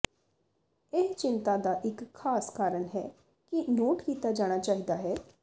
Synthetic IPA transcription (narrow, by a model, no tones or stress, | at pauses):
ɪst͡ʃɪnt̪aːd̪aːʔɪkʰːaːskaːɾəɳɦɛ̰ː | kɪnoːʈkiːt̪aːd͡ʒaːɽ̃aːt͡ʃaːɦiːd̪aːɦɛː